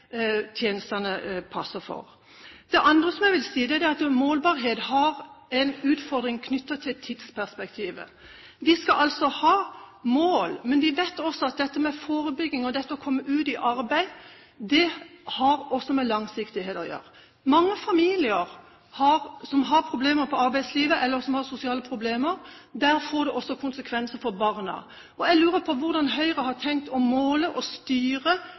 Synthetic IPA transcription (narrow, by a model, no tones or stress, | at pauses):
t̪ʰjeːnəst̪ɑnəpʰɑsːəfɔ̰ɾ | d̪̥ɛʔɑnd̪ɾəsɔmɛɪʋɪlsiːd̪ɛæd̪ɛɑt̪moːlbɑɾɦeːt̪hɑɾɛnʉːt̪fɔɾd̪ɾɪŋkʰnʏt̪ːət̪ʰɪt̪ʰːɪd̪spʰæspɛkt̪ʰiːʋə̰ | ʋɪskɑʔɑlsɔhɑːmoːlmɛnʋɪʋeɪt̪ːɔsɔɑt̪̚d̪ɛt̪ːəmɛfoːɾəbʏɡːɪŋɔd̪ɛt̪ːəɔkʰɔmːəʉːt̪ɪʔɑɾbæɪ | d̪ɛhɑɾɔsːɔmɛlɑŋsɪkt̪ɪheːt̪ɔjø̰ːɾə | mɑŋːəfɑmiːlɪəɾ | hɑɾsɔmɦɑɾpʰɾʊbleːməɾpʰɔɑɾbæɪd̪sliːʋəʔɛlːəɾsɔmhɑɾsʊsɪɑːləpʰɾʊbleːməɾd̪æːɾfoːɖ̪ɛʔɔsːɔkʰʊnsəkʰʋɛnsəfɔɾbɑʁnə̰ | ʔɔæɪlʉːɾəpʰɔʋʊɾd̪ɑnɦœʏɾəɦɑʈ̪ʰɛŋk̚t̪ɔmoːləʔɔst̪yːɾə